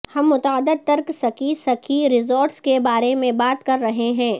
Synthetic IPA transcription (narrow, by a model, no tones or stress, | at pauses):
hɐmːʊt̪aːd̪əd̪̚t̪ɐɾksɐkisɐkʰiɾɪzoːɾʈskebaːɾemẽbaːt̪kɐɾːɐɦeɦɛ̃ː